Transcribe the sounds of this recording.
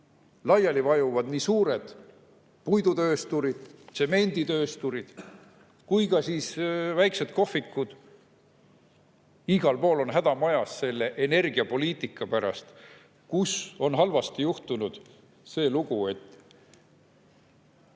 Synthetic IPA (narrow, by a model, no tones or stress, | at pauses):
lɑjɑlivɑjuvɑd̪̥niːsuːɾe̞d̪̥ | pujd̪ut̪ø̞ːst̪uɾid̪̥se̞me̞nʲd̪it̪ø̞ːst̪uɾid̪̥ | kujkɑsiːsvæjkse̞d̪̥ko̞hfikːˑud̪̥ | iɡ̥ɑlpo̞ːlo̞nɦæd̪̥ɑmɑjɑsse̞lːe̞ʔene̞rɡ̥iɑpo̞liːt̪ˑikːˑɑpæɾɑ̰st̪ | kuso̞nɦɑlvɑst̪ijuht̪unud̪̥ | se̞ːluɡ̥ue̞t̪ːˑ